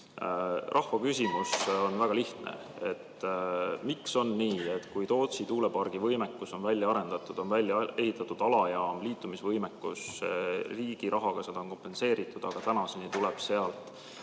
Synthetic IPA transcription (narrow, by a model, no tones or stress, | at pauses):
rʔɑhvɑkysimuso̞nvæɡ̥ɑliht̪nḛ | e̞̰t̪ː | mikso̞nːiːet̪ːkujt̪o̞ːt̪sit̪uːle̞pɑrɡ̥ivɤjmekːuso̞nvælʲːjɑɑɾe̞nd̪̥ɑt̪ːˑud̪̥o̞nvælʲjɑe̞ɦit̪ːˑɑt̪ːud̪̥ɑlɑjɑːmliːt̪ːˑumisvɤjmekːus | riːɡ̥iɾʔɑɦɑɡ̥ɑse̞d̪̥ɑonko̞mpe̞nse̞ːɾit̪ːˑud̪̥ɑɡ̥ɑt̪ænɑsenit̪ulɛb̥se̞ɑlt̪ˑ